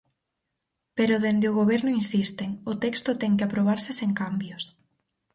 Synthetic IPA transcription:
peɾʊðend̪eʊɣ̞oβ̞ɛɾnʊinsist̪eŋʊt̪ɛkst̪ʊt̪ɛŋkɪapɾoβ̞aɾsɪseŋkambjʊs

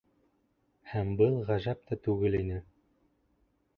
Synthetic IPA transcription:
hæmbɤlˠʁæʒæp̚t̪æt̪ʉɡɘlinɘ

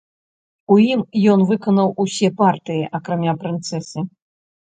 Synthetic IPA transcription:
ujimjɔnvɨkɐnɐwusʲɛpart̪ɨjiʔɐkɾamʲapɾɨnt̪sɛsɨ

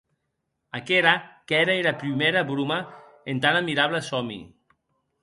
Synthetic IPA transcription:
akeɾakɛɾaeɾapɾimeɾaβɾuma | ent̪anamiɾaβlesɔmḭ

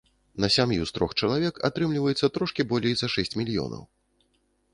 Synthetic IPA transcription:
nɐsʲamjṵst̪ɾɔxt͡ʂɐlˠavʲɛka̰t̪ɾɨmlʲivɐjɛt̪sːɐt̪ɾɔʂkʲibɔlʲejzɐʂɛsʲt͡sʲmʲilʲijɔ̰nɐ̰w

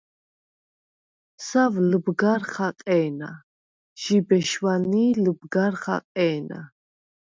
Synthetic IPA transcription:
savlbɡaɾχaqʼɛːna̰ | ʒ̥ibɛʃwaniːlbɡaɾχa̰qʼɛːna̰

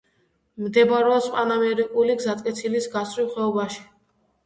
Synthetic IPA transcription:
md̪ɛbaɾɛɔspʼanamɛɾikʼuliɡzat̪ʼkʼɛt̪sʰilisɡasɾiχwɛɔbaʃi̥

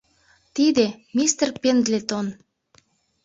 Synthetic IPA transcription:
t̪id̪emist̪ərpend̪let̪on

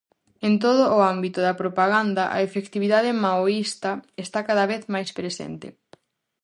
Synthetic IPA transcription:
ent̪oðʊːambit̪ʊðɐpɾopaɣ̞and̪ɐʔa̰efekt̪iβiðaðɪmaoist̪ɐest̪akaðɐβeθmajspɾesḛnt̪ɪ̰

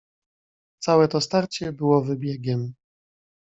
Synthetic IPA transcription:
t̪sawɛt̪ɔst̪aɾt͡ɕɛbɘwɔvɘbʲjɛɡʲɛm

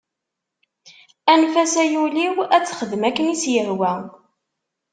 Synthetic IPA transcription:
ænfæsæjuliwæt͡sːχəðmækːənisjəɾwæ

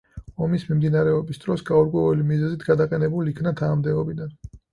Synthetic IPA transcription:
ɔmismimd̪inaɾɛɔbisd̪ɾɔsɡauɾkʼwɛulimizɛzit̪ʰɡad̪aqʼɛnɛbuliikʰnat̪ʰanamd̪ɛɔbid̪an

